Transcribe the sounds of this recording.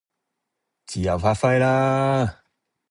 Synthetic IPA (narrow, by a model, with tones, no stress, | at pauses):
ti˨a˨va˦fa˦jla˦